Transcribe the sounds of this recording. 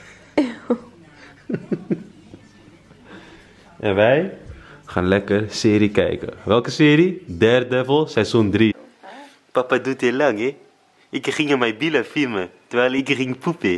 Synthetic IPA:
ʔɛnʋɛjχaːnlɛkərsɪːɾikɛ̰jkə̰ʋɛlˠkəsɪːɾidɛr̚dɛvəlˠsɛjzɔndri | papadutilaŋɛ | ɪkχɪŋəmɛjbiləfilmətəʋɛjlˠɪkχɪŋpupe

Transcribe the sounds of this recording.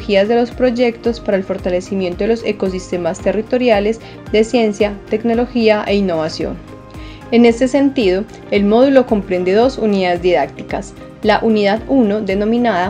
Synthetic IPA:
xiazd̪e̞lo̞spɾo̞ʝe̞kt̪o̞spaɾaelfo̞ɾt̪ale̞simje̞nt̪oelo̞seko̞s̬ist̪e̞mast̪e̞rit̪o̞ɾjale̞z | d̪e̞sje̞nsjat̪e̞kno̞lo̞xiaʔe̞inːo̞βasjo̞̰n | e̞ne̞st̪e̞se̞nt̪iðo̞ | e̞lmo̞ðulo̞ko̞mpɾe̞nd̪e̞ðo̞suniðaðezd̪iðak̚t̪i̥kas | laʔuniðaðuno̞ðe̞no̞mĩnaða

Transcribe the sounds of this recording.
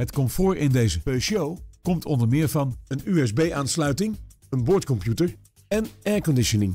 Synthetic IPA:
ɦətkɔmtfʊːɹɪndejzəpeʃowkɔmtʰɔndəɹmɪːɹvɑnənyɛzbejʔaːnslœɥtɪŋ | ənbʊːɹtkɔmpjutəɹ | ɛnɛːɹkɔndɪʃənɪŋ

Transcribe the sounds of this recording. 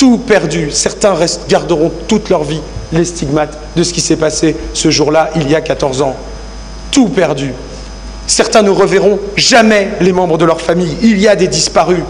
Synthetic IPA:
t̪upɛʁd̪ysɛʁt̪ɛ̃ʁɛst̪ɡʲaʁd̪əʁɔ̃t̪ut̪lœʁvilest̪iɡmat̪ | d̪əsə̥kʲisɛpasesəʒuʁlaʔiljakat̪ɔʁzɑ̃ | t̪upɛʁd̪y | sɛʁt̪ɛ̃nəʁəveʁɔ̃ʒamɛlemɑ̃bʁəd̪əlœʁfamijiliad̪ed̪ispaʁy

